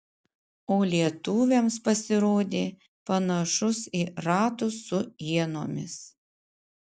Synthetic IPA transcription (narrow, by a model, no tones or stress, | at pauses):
oːlʲiɛt̪ʊːʋʲemspɐsʲɪɾoːd̪ʲeː | pɐnɐʃʊsiːɾɑːt̪ʊsʊiɛnoːmʲɪs